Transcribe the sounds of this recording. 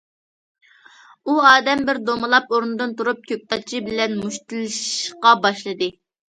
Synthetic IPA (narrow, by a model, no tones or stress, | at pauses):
uɑːd̪ɛmbɪɾd̪omɨlˠɑpoɾnɨd̪ɨnt̪uɾup̚kʲøp̚t̪ɑt͡ʃʰibɪlɛnmuʃt̪ɨlˠɨʃʃqɑbɑʃlˠɨd̪ɨ